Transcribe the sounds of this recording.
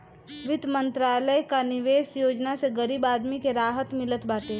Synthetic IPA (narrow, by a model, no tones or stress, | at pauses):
ʋɪd̪mə̃nt̪ɾaːləjkanɪʋeːsjoːd͡ʒnaseɡəɾiːbaːd̪mikeɾaːɦət̪mɪlət̪baːʈe